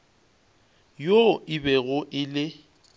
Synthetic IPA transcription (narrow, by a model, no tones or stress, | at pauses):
joɪbɛɣʊʔɪlɪ